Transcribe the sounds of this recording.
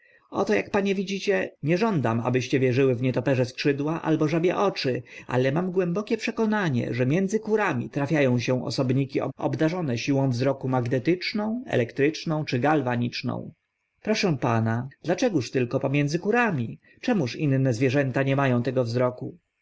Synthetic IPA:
ɔt̪ɔjak̚paɲɛvʲid͡ʑit͡ɕɛɲɛʐɔnd̪ama̰bɘɕt͡ɕɛvʲjɛʐɘwɘvɲɛt̪ɔpɛʐɛskʂɘd̪waʔa̰lbɔʐabʲjɛ̰ʔɔt͡ʂɘʔa̰lɛmamɡwɛmbɔkʲɛpʂɛkɔnaɲɛ̰ʐɛmʲjɛnd̪zɘkuɾamʲḭt̪ɾafʲjajɔ̃w̃ɕɛ̃ɔ̰sɔbɲikʲiɔ̰ɔ̰bd̪aʐɔnɛɕiwɔ̃w̃vzɾɔkumaɡnɛt̪ɘt͡ʂnɔ̃w̃ɛ̰lɛkt̪ɾɘt͡ʂnɔ̃w̃t͡ʂɘɡalvaɲit͡ʂnɔ̰̃w̃ | pɾɔʂɛ̃panad̪̥lat͡ʂɛɡuʂt̪ɘlkɔpɔmʲjɛnd̪zɘkuɾamʲi | t͡ʂɛmuʂinːɛzvʲjɛʐɛnt̪aɲɛmajɔ̃w̃t̪ɛɡɔvzɾɔku

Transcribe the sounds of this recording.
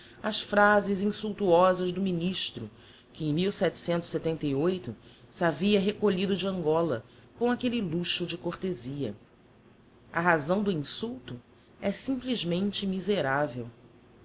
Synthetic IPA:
ɐsfɾazɪzĩsuwt̪uɔzɐzd̪ʊminiʃt̪ɾʊ | kɪẽj̃miwsɛt͡ʃɪ̥sẽnt̪ʊz̥i̥set̪ẽnt̪ejojt̪ʊsiaviɐɦekoʎid̪ʊd͡ʒɪɐ̃ŋɡɔlɐkõw̃akeliluʃud͡ʒɪkoχt̪eziɐ̰ | ɐɦazɐ̃w̃d̪ʊĩsuwt̪u | ɛsĩmplizmẽnt͡ʃɪmizeɾavew

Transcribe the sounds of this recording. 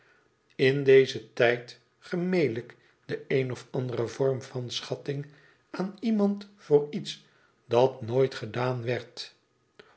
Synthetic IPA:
ɪndejzətɛjt | χəmejlək | dəejnɔfɑndəɾəvɔɹmvɑnsχɑtɪŋ | aːnimɑntfʊːɹits | dɑtnoːjtχədaːnʋɛɹt

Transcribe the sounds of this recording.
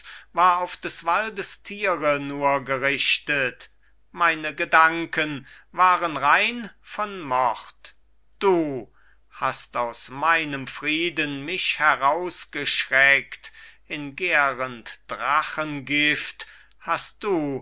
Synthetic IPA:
vaːɐaʊfd̥asv̥aldəstʰiːʁənuːɐɡəʁɪɕtət | maɪnəɡədaŋkən | vaːʁənʁaɪnfɔnmɔχt | d̥uː | hastaʊsmaɪnəmfʁiːdənmɪʃhɛʁaʊsɡ̥əʃʁɛkt | ɪnɡeːʁəntd̥ʁaχənɡɪft | hast̚d̥uː

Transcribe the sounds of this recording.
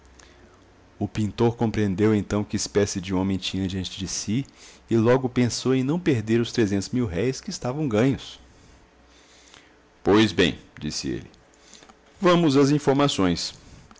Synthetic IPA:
ʊpĩnt̪oɾkõmpɾiẽnd̪ewẽnt̪ɐ̃w̃kɪɪspɛsɪd͡ʒɪõmẽj̃t͡ʃĩɲɐd͡ʒiɐ̃nt͡ʃɪd͡ʒɪsiɪlɔɡʊpẽsowẽj̃nɐ̃w̃peɾd̪eɾʊst̪ɾezẽnt̪ʊzmiwɦɛjskɪːst̪avɐ̃w̃ɡɐ̃ɲʊs | pojzbḛ̃j̃d͡ʒḭsɪ̰ḛlɪ | vɐ̃mʊzɐzĩfoɾmasõj̃s

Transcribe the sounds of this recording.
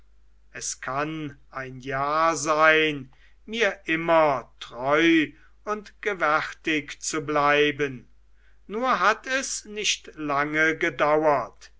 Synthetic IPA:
ɛskʰanʔaɪnjaːzaɪn | miːɐʔɪmɐtʁ̥ɔʏ | ʊntɡ̥əvɛχtɪkt͡sublaɪbənː | uːɐɦatɛsnɪʃtlaŋəɡədawɐt

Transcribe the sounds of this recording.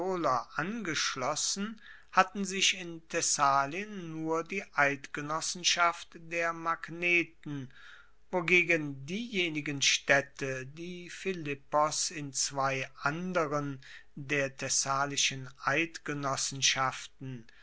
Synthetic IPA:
oːlɐʔanɡəʃlɔsn̩ | hatn̩zɪʃɪntʰɛsaːliənːuːɐdiːʔaɪtɡ̥ənɔsn̩ʃaftd̥eːɐmaɡneːtn̩ | voɡeːɡəndiːjeːnɪɡənʃtɛtədiːfɪlɪpɔsɪnt͡sv̥aɪʔandəʁəndeːɐtʰɛsaːlɪʃənʔaɪtɡ̥ənɔsn̩ʃaftn̩

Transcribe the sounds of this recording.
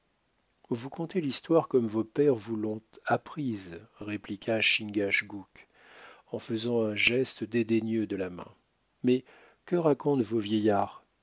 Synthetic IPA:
vukʰɔ̃t̪elist̪waʁkɔmvopɛʁvulɔ̃t̪apχizʁeplikʲʰaʃiŋɡaʃɡuk | ɑ̃fəzɑ̃ɛ̃ʒɛst̪d̪ed̪eɲød̪əlamɛ̰̃ | mɛ | kəʁakɔ̃t̪vovjɛjaːʁ

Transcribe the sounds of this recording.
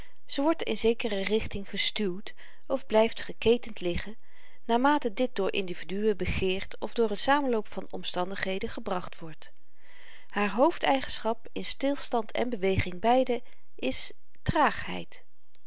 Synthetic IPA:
z̥əʋɔɹtɪ̰nzejkərərɪχtɪŋχəstywt | ɔvblɛjftχəkejtəntlɪχə | naːmaːtədɪt̚dʊːɹʔɪ̰ndividyəbəχɪːɹtɔvdʊːɹənsaːmənlowpfɑnɔ̰mstɑndəχɦejdəχəbrɑχtʋɔɹt | haːɹɦowftɛjχənsχɑp | ɪnstɪlˠstɑntʰɛ̰nbəʋejχɪŋbɛjdə | ʔɪs | traːχɦɛ̰jt

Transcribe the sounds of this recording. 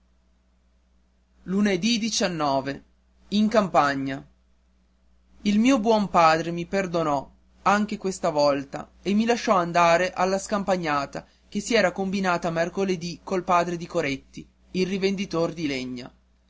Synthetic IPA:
luned̪id̪it͡ʃanːɔːve | iŋkampaɲːa | ilmiːobwɔmpaːd̪ɾemiperd̪onɔ | aŋk̟ekwest̪avɔlt̪a̰ | emːilaʃːɔand̪aːɾeʔalːaskampaɲːaːt̪a | k̟esiɛːɾakombinaːt̪amerkoled̪ikolpaːd̪ɾed̪ikoɾet̪ːi | ilrːivend̪it̪ord̪ileɲːa̰

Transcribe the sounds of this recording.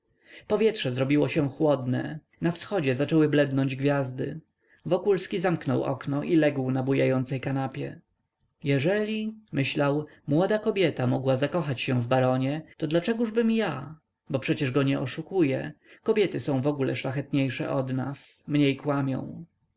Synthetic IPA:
pɔvʲjɛtʂɛzɾɔbʲiwɔɕɛxwɔd̪nɛ̰ | nafsxɔd͡ʑɛzat͡ʂɛwɘblɛd̪nɔɲd͡ʑɡvʲjazd̪ɘ̰ | vɔkulskʲizamknɔ̰wɔ̰knɔʔilɛɡwnabujajɔnt̪sɛjkanapʲjɛ | jɛʐɛlʲimɘɕlaw | mwɔd̪akɔbʲjɛt̪amɔɡwazakɔxat͡ɕɕɛ̃vbaɾɔɲɛt̪ɔd̪lat͡ʂɛɡuʐbɘmja | bɔpʂɛt͡ɕɛʐɡɔɲɛʔɔʂukujɛ | kɔbʲjɛt̪ɘsɔ̃w̃vɔɡulɛ̰ʂlaxɛt̪ɲejʂɛ̰ʔɔd̪na̰smɲejkwamʲjɔ̰̃w̃

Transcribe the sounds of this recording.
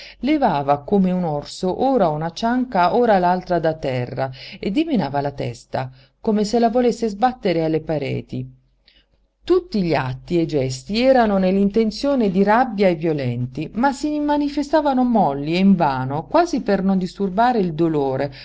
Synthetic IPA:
levaːvakomeunorsoʔoːɾaunat͡ʃaŋkaoːɾalalt̪ɾad̪at̪ːɛrːaed̪ːiminaːvalat̪ɛ̰st̪a̰ | komeselavolesːezbat̪ːeɾealːepaɾɛ̰ːt̪ḭ | t̪ut̪ːiʎia̰t̪ːied͡ʒɛst̪iɛːɾanonelːint̪ent̪sjoːned̪iɾabːjaevjolɛnt̪imasːimːanifest̪aːvanomɔlːieiɱvaːnokwaːzipernond̪ist̪urbaːɾeild̪oloːɾe

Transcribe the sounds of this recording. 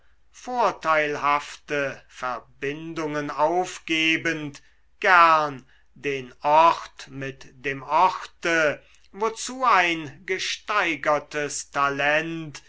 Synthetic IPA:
foːɐtʰaɪlhaftəfɛɐbɪndʊŋənaʊfɡ̥eːbənt | ɡ̥æʁɐn | deːnʔɔχtmɪtd̥eːmɔχtə | vot͡suːaɪnɡəʃtaɪɡɐtəstʰalɛnt

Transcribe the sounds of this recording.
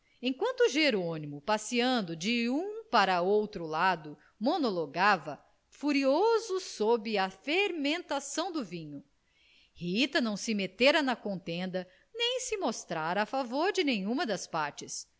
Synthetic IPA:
ẽj̃kwɐ̃nt̪ʊʒeɾõnimʊpasiɐ̃nd̪ʊd͡ʒɪũpaɾɐowt̪ɾʊlad̪ʊ | monoloɡavɐ | fuɾiozʊsobɪɐfeɾmẽnt̪asɐ̃w̃d̪ʊvĩɲʊ | hit̪ɐnɐ̃w̃sɪmet̪eɾɐnɐkõnt̪ẽnd̪ɐ | nẽj̃sɪmost̪ɾaɾɐːfavoɾd͡ʒɪnẽj̃ũmɐd̪ɐspaɾt͡ʃɪs

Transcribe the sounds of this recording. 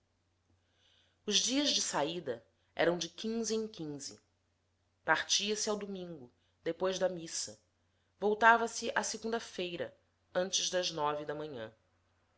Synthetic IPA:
ʊzd͡ʒiɐzd͡ʒɪsaid̪ɐ | ɛ̰ɾɐ̃w̃d͡ʒɪkʲĩzɪẽj̃kʲĩzɪ̰ | paχt͡ʃiɐsɪawd̪umĩŋɡʊ | d̪̥epojzd̪ɐmisɐ | vowt̪avɐsɪʔa̰sɪɡũnd̪ɐfejɾɐ | ɐ̃nt͡ʃɪzd̪ɐznɔvɪd̪ɐmɐ̃ɲɐ̰̃

